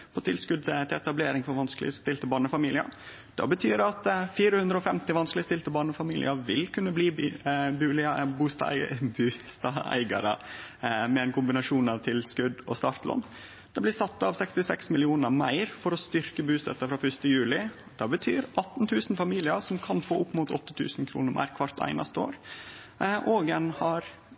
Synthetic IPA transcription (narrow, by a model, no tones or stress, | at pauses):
pʰɔt̪ʰɪlskʉd̪t̪ʰɪɛt̪ɑbleːɾɪŋfɔɾʋɑnsklɪ̰əst̪ɪlt̪əbɑːɳəfɑmiːlɪə̰ɾ | d̪̥ɑ̰bət̪ʰyːɾɑt̪fiːɾəhʉnd̪ɾəɔːfɛmt̪ɪʋɑnsklɪəst̪ɪlt̪əbɑːɳəfɑmiːlɪ̰əɾʋɪlkʰʉnːəbliːbʉːbuːst̪bʉːst̪ɑæ̰ɪɡɑ̰ɾə̰ | mɛɛnkʰʊmbɪnɑʂuːnɑʋt̪ʰɪlskʉd̪ɔ̰st̪ɑːɾt̪lɔ̰nː | d̪̥ɑblɪsɑt̪ːɑʋsɛkst̪ɪsɛksmɪlɪuːnəɾmæɪɾfɔɾɔst̪ʏɾkəbʉːst̪ɛt̪ːəfɾɑfœʂt̪əjʉːlɪ | d̪̥ɑːbət̪ʰyːɾʔɑt̪ːn̩t̪ʰʉːsn̩fɑmiːlɪəʂɔmkʰɑnfoːʔʊpːmʊt̪ɔt̪ːət̪ʰʉ̰ːsn̩kʰɾṵːnəɾmæ̰ɪɾkʰʋɑɾt̪æ̰ɪnɑ̰st̪əo̰ːɾ | ʔoːɡənhɑɾ